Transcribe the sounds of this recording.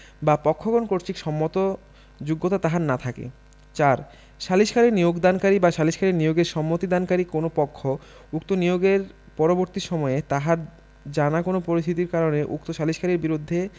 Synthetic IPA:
bapɔkʰːoɡonkoɾt͡ɕikʃɔmːot̪o | d͡ʑuɡːot̪at̪aɦaɾnat̪ʰakḛ | t͡ɕaɾ | ʃaliʃkʰaɾeɾnijoɡd̪ankaɾibaʃaliʃkʰaɾeɾnijoɡeɾʃɔmːot̪id̪ankaɾikonopɔkʰːo | uk̚t̪onijoɡeɾ | pɔɾoboɾt̪iʃɔmɔet̪aɦaɾ | d͡ʑanakonopoɾist̪ʰit̪iɾkaɾoneʔuk̚t̪oʃaliʃkʰaɾiɾbiɾud̪ʱːe

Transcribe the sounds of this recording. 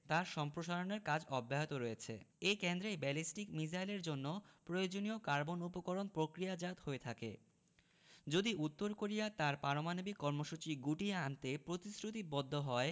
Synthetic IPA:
t̪aɾʃɔmpɾoʃaɾoneɾkad͡ʑɔbːaɦet̪oɾojet͡ɕʰḛekend̪ɾebɛlisʈikmid͡ʑ̬ajleɾd͡ʑonːopɾojod͡ʑoniokaɾbonupokoɾonpɾokɾijad͡ʑat̪hoet̪ʰakḛ | d͡ʑod̪iʔut̪ːoɾkoɾijat̪aɾpaɾomanobikːɔɾmoʃut͡ɕiɡuʈieant̪epɾot̪isɾut̪ibɔd̪ʱːoɦɔe

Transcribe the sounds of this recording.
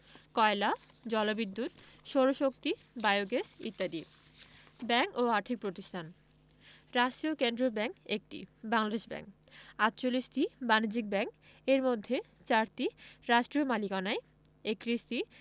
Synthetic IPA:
kɔela | d͡ʑɔlobid̪ʱːut̪ʃɔɾoʃok̚t̪i | baejoɡesḭt̪ːad̪i | bɛŋkoaʈʰik̚pɾot̪isʈʰan | ɾaʃʈiokend̪ɾobɛŋkek̚ʈḭbaŋlad̪eʃbɛ̰ŋk | at̪ːt͡ɕolːiʃʈibanid͡ʑik̚bɛŋk | eɾmod̪ʱːe | t͡ɕaɾt̪iɾaʃʈɾiomalikanae | ekɾiʃti

